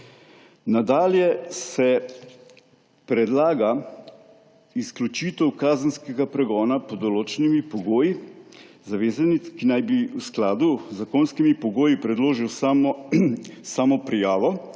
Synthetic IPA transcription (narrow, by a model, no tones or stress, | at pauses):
nad̪aːljɛsɛ | pɾɛd̪laːɡa | isklut͡ʃiːt̪ɛwkaːzənskɛɡapɾɛɡɔːnapɔd̪ɔloːt͡ʃɛnimipɔɡoːjizaʋeːzanikinajbiwsklaːd̪uzakoːnskimipɔɡoːjipɾɛd̪loːʒiw | saːmɔpɾijaːʋɔ